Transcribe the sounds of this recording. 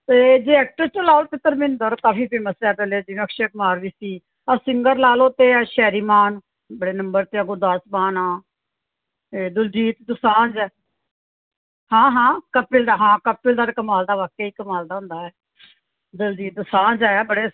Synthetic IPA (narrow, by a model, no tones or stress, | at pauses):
t̪ed͡ʒeːɛːk̚ʈəɾt͡ʃoːlaːlt̪ɪt̪ːəɾmɪnd̪əɾt̪aːpiːpʰiːməsɛːpəleːd͡ʒiːəkʃeːkmaːɾʋiːsiː | asɪŋɡəɾlaːloːt̪eːaʃɛːɾiːmaːn | bəɽeːnəmbəɾt̪eːəɡoːd̪asbaːnãː | eːd̪ʊld͡ʒiːt̪d̪ʊsaːnd͡ʒɛː | hãːɦãːkəpɪld̪aːɦãːkəpɪld̪aːɾkəmaːld̪aːʋaːkeːiːkəmaːld̪aːɦʊ̃nd̪aːɛː | d̪əld͡ʒiːt̪̚d̪ʊsaːnd͡ʒɛːbəɽeː